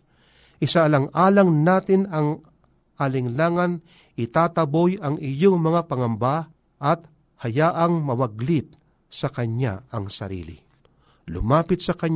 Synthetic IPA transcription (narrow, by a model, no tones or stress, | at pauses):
ʔɪsalɐŋʔaːlɐŋnaːt̪ɪnɐŋ | ʔɐlɪŋlaːŋɐn | ʔɪt̪aːt̪ɐbojɐŋɪjoŋmɐŋapɐŋɐmba | ʔɐt̪̚ | hɐjaːʔɐŋmɐwɐɡlɪt̪̚ | sɐkɐɲa̰ɐŋsɐ̰ɾḭːlɪ̰ | lʊ̰maːpɪt̪sɐkɐɲ